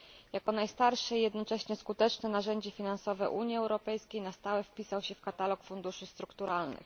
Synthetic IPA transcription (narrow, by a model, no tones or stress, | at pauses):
jakɔnajst̪aɾʂɛijɛd̪nɔt͡ʂɛɕɲɛskut̪ɛt͡ʂnɛnaʐɛɲd͡ʑɛfʲinansɔvɛ̰ʔuɲjiɛwɾɔpɛjskʲejnast̪awɛfpʲisawɕɛfkat̪alɔkfund̪uʂɘst̪ɾukt̪uɾalnɘ̰x